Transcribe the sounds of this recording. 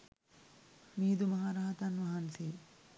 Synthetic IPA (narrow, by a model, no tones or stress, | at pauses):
miːd̪umɐɦaːɾaːɦɐt̪ɐnʋɐɦanseː